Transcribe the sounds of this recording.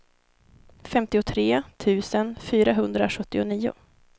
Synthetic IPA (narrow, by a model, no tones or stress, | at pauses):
fɛmt̪ɪʊt̪ʰɾeːt̪ʰʉ̟ːsənfyːɾaɦɵnd̪ɾaɧɵt̪ːɪʊniːʊ̰